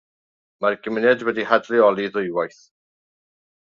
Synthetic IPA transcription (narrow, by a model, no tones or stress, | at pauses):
marɡ̥əmɪnɛdwɛdihadrɪɔlˠiðʊjwajθ